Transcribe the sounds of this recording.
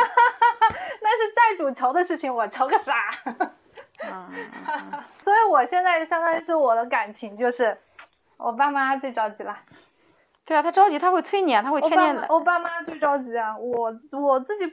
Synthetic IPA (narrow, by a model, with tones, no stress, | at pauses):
t̪a˥˧nʂ̬ɻ̩˥˧t͡sa˥˩ɪʈ͡ʂu˨˩ʈ͡ʂʰɑ˧˥ʊd̪ə˧ʂɻ̩˥˩t͡ɕʰi˨˩ŋwɔ˨˩ʈ͡ʂʰɑ˧˥ʊɡə˧ʂa˧˥˩ | swɔ˧˥i˧˥wɔ˨˩ɕjɛ˥˧nt͡sa˥˩ɪɕjɑ˥ŋt̪a˥n˥ʂ̬ɔ˥˩wɔ˨˩d̪ə˦ka˨˩nt͡ɕʰi˧˥ŋt͡ɕjo˥˧ʊʂɻ̩˥˩ | wʔɔ̰˨˩pa˥˧ma˥˧t͡swe˥˩ɪʈ͡ʂɑ˥ʊt͡ɕi˧˥lə˧ | t̪we˥˩ɪa˩t̪ʰa˥ʈ͡ʂɑ˥ʊt͡ɕi˧˥t̪ʰa˥xwe˥˩ɪt͡s̪ʰwe˥ɪnjɛ˨˧˥nt̪ʰa˥xʰnjɛ˥˩nd̪ə̰˦wɔ˨˩pa˥˩ma˥˧t͡swe˥˩ɪʈ͡ʂɑ˥ʊt͡ɕi˧˥ɐ˧˩wɔ˨˩wɔ˨˩t͡sɹ̩˥˩t͡ɕi˨˩